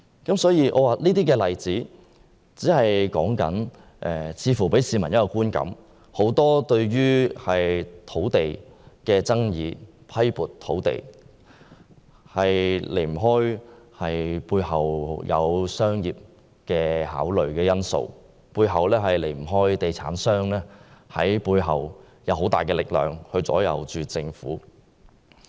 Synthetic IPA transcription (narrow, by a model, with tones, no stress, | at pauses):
kɐ˨˥msɔː˨˥jiː˨˧ʔɔ̰ː˨˧waː˨liː˥t̪iː˥kɛː˧lɐ˨jt͡siː˨˥ | t͡siː˨˥hɐ˨jkɔː˨˥ŋkɐ̰˨˥n | ʔɛː˨˩t͡sʰiː˨˧fuː˨˩pe˨˥jsiː˨˧mɐ˨˩njɐ˥kɔ˧kuː˥nkɐ̰˨˥m | ho˨˥wt̪ɔː˥t̪ɵ˧ɥɥyː˥hɐ˨jt̪ʰo˨˥wt̪e˨jkɛː˧t͡sɐ˥ŋjiː˨˧ | pʰɐ˥jpuː˨tt̪ʰːo˨˥wt̪ḛ˨˩j | hɐ˨jle˨˩jm̩˨˩ɦɔː˥jhɐ˨jpuː˧jhɐ˨wjʔɐ̰˨˧wsœː˥ŋjiː˨p̚ | kɛː˧ɦa̰ː˨˥wlɵ˨ɥkɛː˧jɐ˥nso̰˧w | puː˧jɦɐ˨wlɛː˥ɦɐ˨jle˨˩jm̩˨˩ɦɔː˥jt̪e˨jt͡sʰaː˨˥nsœː˥ŋlɛː˥hɐ˨˥jpuː˧jɦɐ˨w | jɐ˨˧wɦo˨˥wt̪aː˨˩jkɛː˧lɪ˨k̚lœ̰ː˨˩ŋhɵ˧ɥt͡sɔ̰ː˨˥jɐ̰˨˧wt͡ʃyː˨t͡sɪ˧ŋfuː˨˥